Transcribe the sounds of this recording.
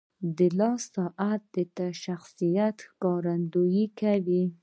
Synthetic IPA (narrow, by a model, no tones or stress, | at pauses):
d̪əlɑssɑʔat̪̚d̪ət̪aʃaxsijat̪xkɑɾand̪ojikawi